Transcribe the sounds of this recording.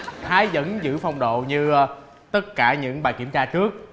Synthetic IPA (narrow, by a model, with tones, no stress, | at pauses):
t̪ʰaː˨˦jzə̰˧˥nzɨ̰˧˥fa˧wŋ͡mɗo̰˧˨ɲɨ˧ | t̪ə˦˥t̚kaː˧˩ɲɨ̰˧˥ŋɓaː˨˩jki˧˩əmt͡ɕaː˧t͡ɕɨ˦˥ək̚